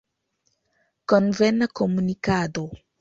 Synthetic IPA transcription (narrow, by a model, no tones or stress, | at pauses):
kɔnvɛnakɔmunikad̪o